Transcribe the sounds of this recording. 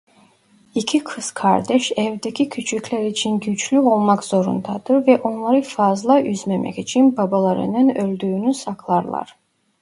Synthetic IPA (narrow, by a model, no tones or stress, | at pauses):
icʰikʰɯskʰa̰ɾd̪ɛʃɛvd̪ɛcʰʲicʰyt͡ʃʰycʰʲlæɾit͡ʃʰinɟyt͡ʃʰlyo̞lˠmɑkz̥o̞ɾṵnd̪ɑd̪̥ɯɾvɛʔo̞nlˠaɾɯfazlˠɑʔyzmemʔɛ̰cit͡ʃʰinbabalˠɑɾɯ̰nɯnølʲd̪yːnysɑkʰlˠɑɾlˠɑ̰ɾ